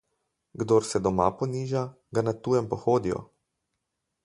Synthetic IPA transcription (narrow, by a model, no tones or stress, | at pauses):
ɡd̪oːɾsɛd̪ɔma̰pɔniːʒa | ɡanat̪uːjɛmpɔxoːd̪ijɔ̰